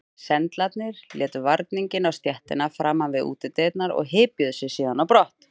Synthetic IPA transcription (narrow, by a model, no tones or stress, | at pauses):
sɛnt̪lat̪nɪɾljɛːt̪ʏvaɾt̪niɲcɪnawst̪jɛht̪ɪ̰nafɾaːmːanvɪðṵːt̪ɪt̪ɛːt̪naɾɔ̰ɣɦɪːpjʏðʏsɪsiːðanawpɾɔht̪